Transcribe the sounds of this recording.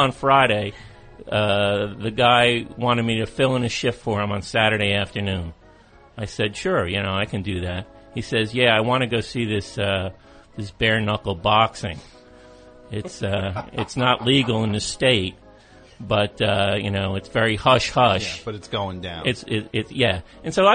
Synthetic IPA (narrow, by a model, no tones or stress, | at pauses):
ə̃nfɹaɪɾeɪ | ʌðɨɡaɪwɑ̃ɾ̃ɨd̚miɾɨfɪlˠə̃nɨʃɪffə˞ɨ̃mə̃nsæɾə˞ɾeɪæftə˞nʉ̃n | aɪsɛd̥ʃʊɹjɨñoʊaɪkʰɨ̃ndɨðæt̚ | hisɛzjæaɪwɑ̃ñɨɡoʊsiðɪsʌ | ðɪsb̥ɛɹnʌkl̩ˠbɑksɪ̰̃ŋ | ɪtsʌɨ̰tsnəʔˡliɡl̩ˠə̃nðɨsteɪt̚ | b̥ʌt̚ʌjɨ̰noʊɨtsvɛɹihʌʃhʌʃb̥ʌɾɨtsɡ̥oʊɪ̃ŋdãʊ̃ɨtsɪɪtsjæ | ɨ̃nsoʊaɪ